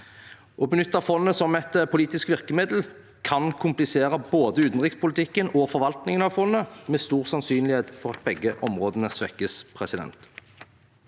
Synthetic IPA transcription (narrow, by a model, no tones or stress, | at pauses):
ʔɔbənʏt̪ːɑfɔnːəsɔmɛt̪əpʰʊliːt̪ɪskʋɪʁkəmeːd̪l̩ | kʰɑnkʰʊmplɪseːʁəboːd̪əʉːt̪n̩ʁɪkspʊlt̪ʰɪkːənɔfɔʁʋɑlt̪nɪŋənɑʋfɔnːəmeːst̪uːʁsɑnsyːnlɪheːt̪fɔʁɑt̪̚bɛɡːəʔɔmʁoːd̪ənæʁsʋɛkːəspʰʁɛsɪd̪ɛ̰nt̪